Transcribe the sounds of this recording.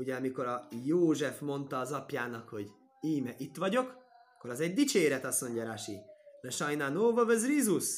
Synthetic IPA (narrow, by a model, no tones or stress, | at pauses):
uɟɛɒmiko̞ɾɒjoːʒɛfmo̞nt̪ɒːzɒpjaːnɒkho̞ɟ | iːmɛʔit̪ʋɒɟo̞k | ɒkːo̞ɾɒzɛɟd̪it͡ʃeːɾɛt̪ɒso̞ɲɟɒɾaʃimɛʃɒjnanoːvɒvɛzriːzus